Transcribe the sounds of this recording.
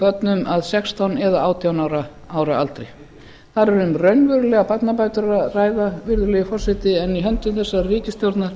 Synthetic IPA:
pœt̪nʏmaðsɛkst̪ʰawnɛðaaːwt̪ʰiawnaːwɾa | aːwɾaa̰lt̪ɾɛ̰j | θaɾɛɾʏmrœɥnvʏɾʏlɛɣapat̪napajt̪ʏɾaraːjðavɪɾðʏlɛːɣɪfɔrsɪt̪ɪɛniɦœnt̪ʏmθɛsːariːcɪst̪jowɾt̪naɾ̥

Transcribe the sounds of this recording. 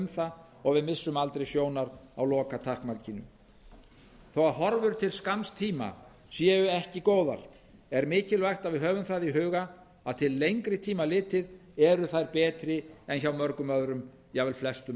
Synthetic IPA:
mθa | ɔɣvɪðmɪsːʏmalt̪ɾejsjoːwnaɾawlɔːkat̪ʰar̥kmalcinʏ̰ | θɔwaðɦɔɾvʏɾ̥t̪ʰɪlskamst̪ʰiːma̰ | sjɛːʏɛhcɪkoːwða̰ɾ̥ | ɛɾmɪːcɪlvajxt̪avɪðɦœːvʏmθaðiɦʏːɣa | aðt̪ʰɪlːejŋkɾɪt̪ʰiːmalɪːt̪ɪðɛɾʏθajɾpɛːt̪ɾɪɛnçawmœɾkʏmœðɾʏm | jɛɣvɪlflɛst̪ʏm

